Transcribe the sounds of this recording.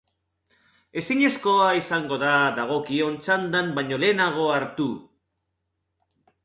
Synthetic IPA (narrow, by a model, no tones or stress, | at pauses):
e̞siɲe̞sko̞aisaŋɡo̞ðaðaɣ̞o̞kio̞nt͡ʃand̪ambaɲole̞ːnaɣ̞o̞aɾt̪u